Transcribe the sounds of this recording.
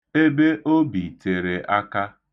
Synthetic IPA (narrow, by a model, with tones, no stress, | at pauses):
e˦be˦ʔo˦bi˨te˨ɾe˨ʔa˦ka˦